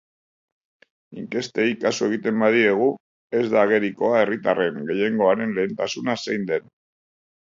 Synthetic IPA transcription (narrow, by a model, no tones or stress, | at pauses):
iŋke̞st̪e̞jkasue̞ɣ̞it̪e̞mbaðie̞ɣ̞u | e̞zd̪aːɣe̞ɾiko̞ae̞rit̪are̞ŋɡe̞je̞ŋɡo̞aɾe̞nle̞ːnt̪asunasejnd̪e̞n